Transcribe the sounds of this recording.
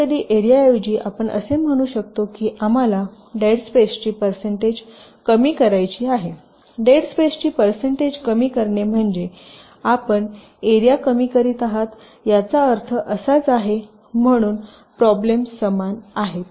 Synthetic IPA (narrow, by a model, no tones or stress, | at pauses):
əd̪iːʔeɾiaewd͡ʑiːʔapəɳʔə̰sem̤əɽ̃uːɕək̚t̪okiːʔam̤ala | ɖeɽspest͡ɕiːpəɾseɳʈed͡ʑkəmiːkəɾajt͡ɕiːaɦe | ɖeɽspest͡ɕiːpəɾseɳʈed͡ʑkəmiːkəɾɳem̤əɳd͡ʑe | apəɳ | eɾijakəmiːkəɾiːt̪aɦat̪ | jat͡saəɾt̪ʰəʔəsat͡saɦe | m̤əɽ̃uːn | pɾɔblemsəmanaɦet̪